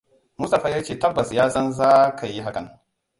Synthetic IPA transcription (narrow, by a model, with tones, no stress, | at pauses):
mu˦sta˨ɸaː˦jaː˦t͡ʃeː˦˨tɐ˦bːɐ˨sjaː˦sɐ˦nzaː˦kʰa˨ji˦ɦa˦kɐ˨ŋ